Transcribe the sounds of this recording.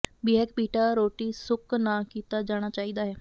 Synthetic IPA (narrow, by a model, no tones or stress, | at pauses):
biɦɛkbiːʈaːɾoːʈiːsʊknaːkiːt̪aːd͡ʒaːɽ̃aːt͡ʃaːiːd̪aːɦɛː